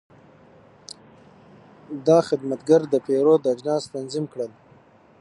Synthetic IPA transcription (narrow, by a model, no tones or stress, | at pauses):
d̪ɑxɪd̪mat̪ɡaɾd̪əpeɾod̪əad͡ʒnɑst̪anzimkɽəl